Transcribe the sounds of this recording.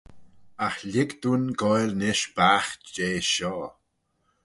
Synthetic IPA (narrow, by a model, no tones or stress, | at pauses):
axlɪɡd̪unɡɔjlnɪʃbaːxd͡ʒeːʃɔː